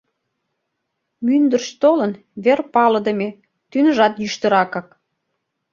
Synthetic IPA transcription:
mynd̪ərʃt̪olən | βerpɑlə̆d̪əmʲe | t̪ynəʒɑt̪jyʃt̪əɾɑkɑk

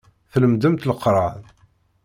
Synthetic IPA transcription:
θləmd̪əmt̪ləqɾˤɑn

